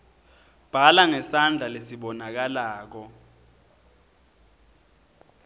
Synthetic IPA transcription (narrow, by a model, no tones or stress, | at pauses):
b̥ʱalaŋɛsand͡ɮʱalesiɓɔnak̬alaːk̬ɔ